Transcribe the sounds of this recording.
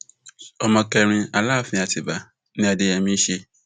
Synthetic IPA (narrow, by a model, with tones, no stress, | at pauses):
ɔ˨mã˨kɛ˨ɾ̃ɪ̃˨a˨la˦˨fɪ̃˨a˨tʰɪ˨ba˨ | nɪ̃˦a˨dɪ˨ɛ˨mĩ˦ɕe˦